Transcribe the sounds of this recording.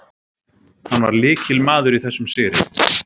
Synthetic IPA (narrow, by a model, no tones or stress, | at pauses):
hanvaɾlɪːcɪlmaːðʏɾiθɛsːʏmsɪːɾɪ